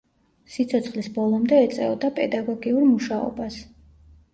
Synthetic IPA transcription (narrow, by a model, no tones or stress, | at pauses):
sit̪sʰɔt̪sʰχlisbɔlˠɔmd̪ɛɛt̪sʼɛ̰ɔd̪apʼɛd̪aɡɔɡiuɾmuʃaɔ̰bas